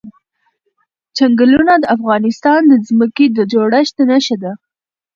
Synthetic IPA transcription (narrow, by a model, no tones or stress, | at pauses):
t͡ʃaŋɡəlunad̪əafɣɑnɪst̪ɑnd̪əzməked̪əd͡ʒoɽaʃd̪ənaʃad̪a